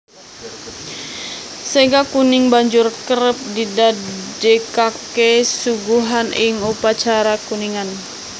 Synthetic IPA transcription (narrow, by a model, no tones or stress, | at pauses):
seɡakunɪŋbaɲd͡ʒʊrkəɾəp̚didad͡ʒekakesuɡuɦanɪŋupat͡ʃaɾakuniŋan